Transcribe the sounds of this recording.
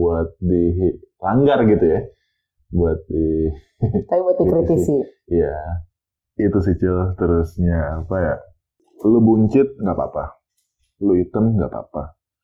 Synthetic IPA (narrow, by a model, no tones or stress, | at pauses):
uat̪̚dilaŋɡarɡit̪uja | buat̪̚di | t̪aibuat̪̚dikɾit̪isija | it̪us̬it͡ʃɪlt̪əɾusɲaːpaja | lobuɲt͡ʃɪt̪̚ŋɡaʔpa̰pa | loit̪əmŋɡa̰pa̰pa